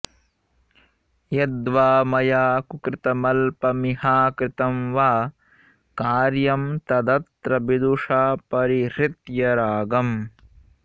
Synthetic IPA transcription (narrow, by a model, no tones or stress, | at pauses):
jɐd̪ʋaːmɐjaːkukɾɪt̪ɐmɐlpɐmiɦaːkɾɪt̪ɐmʋaː | kaːɾjɐmt̪ɐd̪ɐt̪ɾɐbid̪uʂaːpɐɾiɾɪt̪jɐɾaːɡɐm